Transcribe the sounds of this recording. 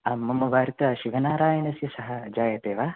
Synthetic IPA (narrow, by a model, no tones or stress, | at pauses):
amːɐmːɐʋaːɾit̪ɐʃiʋɐnaːɾaːjɐnɐsjɐsɐɦɐd͡ʒaːjɐt̪eːʋaː